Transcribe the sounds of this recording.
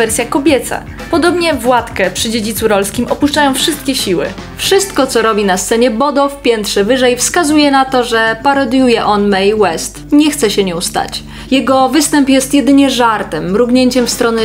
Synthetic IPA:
ɛɾsʲjakɔbʲjɛt̪sa̰ | pɔd̪ɔbɲɛvwat̪kɛpʂɘd͡ʑed͡ʑit̪suɾɔlskʲimɔpuʂt͡ʂajɔ̃w̃fʂɘst̪̚kʲɛɕiwɘ̰ | fʂɘst̪kɔt̪sɔɾɔbʲinast̪sɛɲɛbɔd̪ɔfpʲjɛnt̪ʂɛvɘʐɛjfskazujɛnat̪ɔʐɛpaɾɔd̪jujɛʔɔnmɛjwɛst̪ɲɛxt̪sɛɕɛɲɛust̪a̰t͡ɕ | jɛɡɔvɘst̪ɛmpjɛst̪jɛd̪ɘɲɛʐaɾt̪ɛmɾuɡɲeɲt͡ɕɛmfst̪ɾɔnɛ

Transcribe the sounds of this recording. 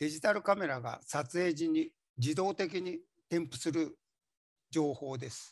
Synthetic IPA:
d̪̥e̞ʑit̪aɾɯ̟kame̞ɾaɡa̰sat͡sɨe̞ːʑiɲ̟ːi | d͡ʑid̪o̞ːt̪e̞k̬ʲiɲ̟i | t̪ẽ̞mpɯ̟sɨɾɯ̟ | d͡ʑo̞ːho̞ːd̪e̞sɨ̥

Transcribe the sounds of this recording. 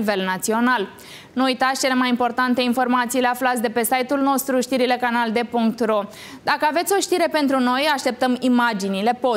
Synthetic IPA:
ve̞lnat̪sio̞nal | nuujt̪at̪sʲt͡ʃe̞le̞majimpo̞rt̪ant̪e̞info̞rmat̪siːleaflat̪sʲd̪e̞pe̞sajt̪ulno̞st̪ɾuʃt̪iɾile̞kanald̪e̞puŋkt̪ro̞ | d̪akəave̞t̪sʲo̞ʃt̪iɾe̞pe̞nt̪ɾuno̞jaʃt̪e̞p̚t̪əmimad͡ʒinile̞po

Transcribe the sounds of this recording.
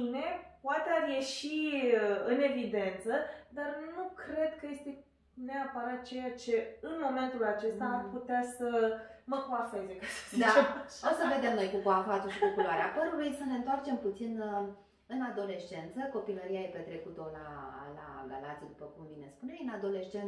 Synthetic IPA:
ine̞poat̪earje̞ʃiəɨne̞vid̪e̞nt̪səd̪arnukɾe̞d̪kəje̞st̪e̞ | neapəɾat̪̚t͡ʃe̞jat͡ʃe̞ɨnmo̞me̞nt̪ulat͡ʃe̞st̪aːmput̪easəməkoafe̞zekasə̥sd̪aosəve̞d̪e̞mnojkukoafat̪uʃikukuloaɾeapəɾulujsəne̞nt̪oart͡ʃe̞mput̪sin | ɨnad̪o̞le̞ʃt͡ʃe̞nt̪səko̞piləɾiaepe̞t̪ɾe̞kut̪ola̰la̰ɡalat̪sid̪upəkumvine̞spunejɨnad̪o̞le̞ʃt͡ʃen

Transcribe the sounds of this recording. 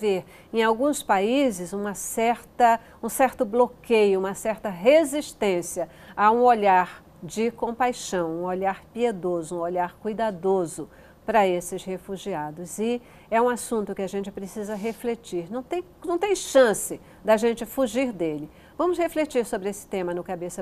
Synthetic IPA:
veɾ | ẽj̃awɡũspaizɪzũmɐsɛɾt̪ɐ | ũsɛɾt̪ʊblokejʊũmɐsɛɾt̪ɐɦeziʃt̪ẽsiɐ | aũoʎaɾ | d͡ʒɪkõpajʃɐ̃w̃ũoʎaɾpied̪ozʊũoʎaɾkujd̪ad̪ozʊ | pɾɐesɪshefuʒiad̪ʊzɪ | ɛũasũnt̪ʊkɪaʒẽnt͡ʃɪpɾesizɐɦeflet͡ʃiɾnɐ̃w̃t̪ẽj̃nɐ̃w̃t̪ẽj̃ʃɐ̃sɪ | d̪ɐʒẽnt͡ʃɪfuʒiɾd̪elɪ | vɐ̃mʊsheflet͡ʃiɾsobɾɪesɪ̥t̪ẽmɐnʊkabesɐ

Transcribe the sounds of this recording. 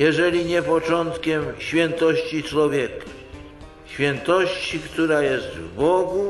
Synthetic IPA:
jɛʐɛlʲiɲɛpɔt͡ʂɔnt̪kʲɛmɕfʲjɛnt̪ɔɕt͡ɕit͡ʂwɔvʲjɛkḁ | ɕfʲjɛnt̪ɔɕt͡ɕikt̪uɾajɛst̪vbɔɡu

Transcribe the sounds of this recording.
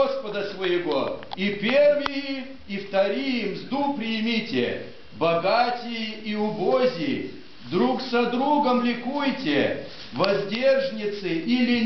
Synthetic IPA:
spəd̪əsvəjɪɡoipʲe̞rvɪjɪ | ift̪ɐɾʲijɪmzd̪upɾʲɪjmʲitʲɪ̰ | bɐɡatʲɪjɪiʊbozʲɪjɪ | d̪ɾuksɐd̪ɾuɡəmlʲɪkujtʲɪ | vɐzʲdʲerʐnʲɪt̪sɨʔilʲɪ

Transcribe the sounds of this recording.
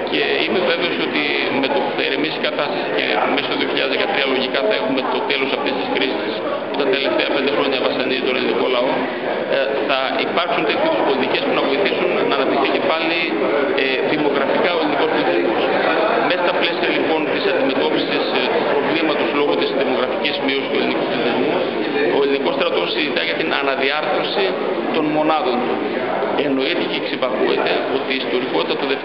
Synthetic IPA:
ce̞imeve̞ve̞o̞so̞t̪i | met̪opu̥θɐeɾemisi̥kɐt̪ɐst̪ɐsi̥ce̞̰mesit̪oðio̞çiʎɐðezðekɐt̪ɾiɐlo̞ʝikɐθɐe̞xume̞t̪o̞t̪e̞lo̞sɐft̪est̪iskɾisis | puit̪ɐnt̪e̞le̞ft̪eɐpnd̪e̞xɾo̞ɲɐvɐsɐnizit̪o̞neliniko̞nlɐo̞ | θɐ | ipɐɾksunt̪e̞t̪ʰçiðuspo̞lit̪ice̞spunɐvo̞iθisunnɐːnɐp̚t̪ixθice̞pɐli | ðimo̞ɣɾɐfikɐo̞eliniko̞spolit̪izmos | messt̪ɐple̞siɐlipo̞nt̪isɐnd̪ime̞t̪o̞pisist̪upɾo̞vlimɐt̪o̞slo̞ɣo̞t̪isðimo̞ɣɾɐficizmiost̪ue̞linikup̪liθizmu | o̞eliniko̞st̪ɾɐt̪o̞sːizit̪ɐʝɐt̪inʔɐ̰nɐðiɐɾθo̞si | t̪o̞nmo̞nɐðo̞n | e̞no̞it̪eceksipɐkuet̪e̞o̞t̪iːst̪o̞ɾiko̞t̪it̪ɐt̪uðef

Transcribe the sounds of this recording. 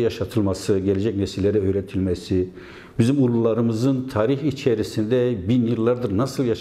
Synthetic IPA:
jaʃat̪ʰɯlˠmasɯɟɛlʲed͡ʒɛcnɛsilʲːeɾiøjɾɛt̪ʰilʲmɛsi | bizimulˠulˠaɾɯmɯzɯnt̪ʰaːɾiçit͡ʃʰeɾisind̪ɛbinjɯlˠːaɾd̪ɯɾnasɯlˠjaʃ

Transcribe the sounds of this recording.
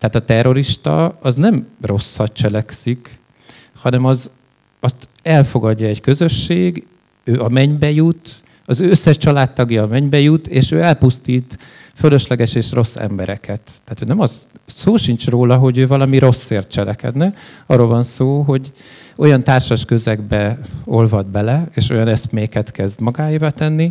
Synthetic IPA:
t̪ɛat̪ɒt̪ɛrːo̞ɾiʃt̪ɒ̰ɒznɛmro̞sːɒt̪̚t͡ʃɛlɛksik | hɒnɛmɒz | ɒst̪ | ɛlfo̞ɡɒɟːɒɛɟkø̞zø̞ʃːeːɡ | øːʔɒmɛɲbɛjut̪ | ɒzøsːɛʃt͡ʃɒlaːt̪ːɒɡjɒːmɛɲbɛjut̪eːʃøːɛlpust̪iːt̪ | følø̞ʃlɛɡɛʃeːʃro̞sːɛ̰mbɛɾɛkʰɛt̪ːɛaːt̪øːnɛmɒzsoːʃint͡ʃroːlɒɦo̞ɟøːvɒlɒmiɾo̞sːeːrt̪̚t͡ʃɛlɛkɛ̰d̪nɛɒrːolvɒnsoːɦo̞ɟo̞jɒnt̪aːrʃɒʃkø̞zɛɡbɛo̞lvɒd̪bɛlɛeːʃo̞jɒnɛsmeːkɛt̪kɛzd̪mɒɡaːjibat̪ɛnːi

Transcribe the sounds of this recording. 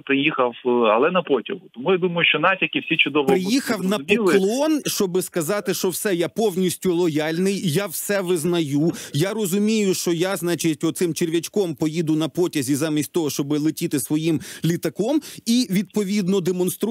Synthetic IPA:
pɾɪjixɐwɐ̰lˠɛnɐpɔtʲɐɦʊt̪ɔmujad̪umɐjʊʃt͡ʃɔnɑtʲilʲkʲɪwsʲit͡ʃʊd̪ɔʋpɾɪjixɐwnɐpɔlˠkɪlˠɔnʃt͡ʃɔbɪskɐzɑt̪ɪʃt͡ʃɔwsɛjapɔwnʲisʲtʲʊlˠɔjɑlʲnɪjjawsɛʋɪznɐjujaɾɔzʊmʲijʊʃt͡ʃɔjaznɑt͡ʃɪtʲɔt̪sɪmt͡ʃerʲʋʲɐt͡ʃkɔmpɔjid̪ʊnɐpɔtʲɐzʲizɑmʲisʲtʲt̪ɔɦɔʃt͡ʃɔbɪlˠɪtʲit̪ɪsʋɔjimlʲit̪ɐkɔmiʋʲid̪̚pɔʋʲid̪nɔd̪emɔnst̪ɾ

